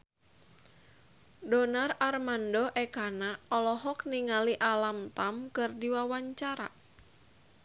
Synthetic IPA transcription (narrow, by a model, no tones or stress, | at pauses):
dɔnararmandɔʔɛkanaɔlɔɦɔkniŋaliʔalamt̪amkɨrdiwawaɲt͡ʃaɾa̰